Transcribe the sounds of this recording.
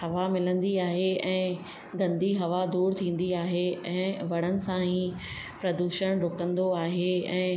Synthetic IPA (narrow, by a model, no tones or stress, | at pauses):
hɐʋamɪlə̃nd̪iaːɦeɛ̃ː | ɡɐ̃nd̪iɦɐʋad̪uːɾt̪ʰĩːn̆d̪iaːɦeɛ̃ːʋɐɽ̃ənɪ̆sãɦi | pɾɐd̪uːʃəɽ̃ɾʊkə̃nd̪oaːɦeɛ̃ː